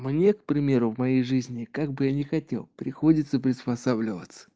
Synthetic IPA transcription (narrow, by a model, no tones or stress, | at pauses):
mnʲe̞kpɾʲɪmʲe̞ɾʊvmɐjejʐɨzʲnʲɪkaɡ̚bɨjanʲɪxɐtʲe̞̰lˠpɾʲɪxo̞dʲɪt̪səpɾʲɪspɐsablʲɪvə̰t̪sə̥